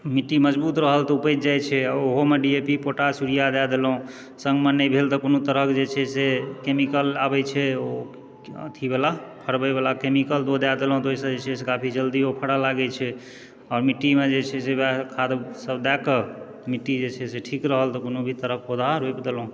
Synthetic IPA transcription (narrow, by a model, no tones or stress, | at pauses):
miʈːiməd͡ʒbut̪ɾəɦəlt̪ɔupət̪̚d͡ʒajt͡ʃʰɛoɦomeɖiepipoʈasuɽijad̪ad̪elɦũ | sə̃ŋɡmənːəjbʱelt̪ɔkonot̪əɾəkd͡ʒet͡ʃʰɛsekemikəlabɛt͡ʃʰɛo̰ | t̪ʰibelapʰəɽbɛbelakemikəld̪od̪ad̪elɦũt̪oisəd͡ʒet͡ʃʰɛsekapʰid͡ʒəld̪iopʰəɽalaɡɛt͡ʃʰɛ | ɔɾmiʈːimed͡ʒet͡ʃʰɛsebakʰad̪səbd̪ɛkə | miʈːid͡ʒet͡ʃʰɛseʈʰikɾəɦəlt̪ɔkonobʱit̪əɾəkod̪ʱaɾoepd̪elɦũ